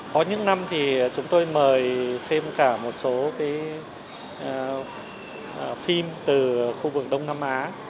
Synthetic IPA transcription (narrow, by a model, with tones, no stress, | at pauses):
kɔ˨˦ɲɨ̰˧˥ŋna˧mt̪ʰi˨˩t͡ɕʊ˨˦ŋ͡mt̪o˧jməː˨˩jt̪ʰe˧mkaː˧˩mo˨˩t̚so˨˦kaː˨˦j | fi˧mt̪ɨ˨˩xu˧vɨ˨˩k̚ɗə˧wŋ͡mna˧mʔaː˨˦